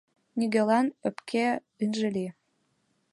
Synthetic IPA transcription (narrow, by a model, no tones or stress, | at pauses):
niɣelɑnøpkʰe | ynʒĕli